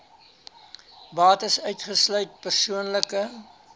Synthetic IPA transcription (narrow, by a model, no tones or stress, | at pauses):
bɑːtəsœɥtχəslœɥt̚pərsuənləkə